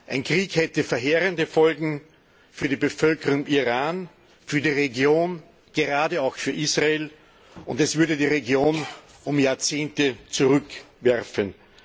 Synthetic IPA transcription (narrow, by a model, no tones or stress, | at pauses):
ʔaɪnkʁ̥iːkhɛtəfɛɐɦeːʁəndəfɔlɡŋ̩ | fyːɐɾiːbəfœlkəʁʊŋiʁaːn | fyːɐdiːʁeɡjoːn | ɡ̥əʁaːdəaʊxfyːɐʔisʁaeːl | ʔʊndɛsv̥ʏɐɾədiːʁeɡjoːn | ʊmjaːɐt͡seːntət͡suʁʏk | vɛʁfən